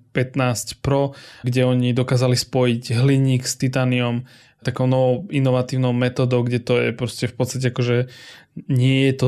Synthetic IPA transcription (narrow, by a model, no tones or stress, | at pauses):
pɛt̪naːscpɾɔɡɟɛɔɲid̪ɔkaːzalispɔjiɟɦliɲiːkst̪it̪aːniɔm | t̪akɔʊnɔʋɔinɔʋat̪iːʊnɔʊmɛt̪ɔːd̪ɔʊɡɟɛt̪ɔjɛ̰pɾɔscɛfpɔt̪st̪ac̬ɛakɔʒɛ | ɲɪɛjɛt̪ɔ